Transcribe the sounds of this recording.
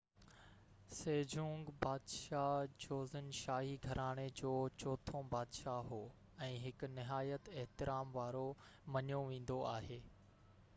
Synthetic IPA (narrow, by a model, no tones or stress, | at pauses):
seːd͡ʑʱũːŋɡbaːd̪ʃad͡ʑoːzənʃaːɦiɡʱɐɾʔaːɽ̃ed͡ʑoːt͡ɕoːt̪ʰõbaːd̪ʃaɦoː | ɛ̃ːɦɪknɪɦaːjət̪eɦt̪ɪɾaːmʋaːɾomɐɲjoʋẽːn̆d̪oaːɦeː